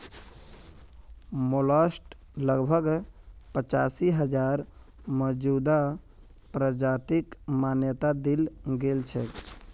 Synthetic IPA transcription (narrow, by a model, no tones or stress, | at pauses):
moləsʈ | ləɡbʱəɡpət͡ʃasiɦəd͡ʒaɾ | məd͡ʒud̪a | pɾəd͡ʒat̪ikmanjət̪ad̪ilɡelt͡ʃʰɛ̰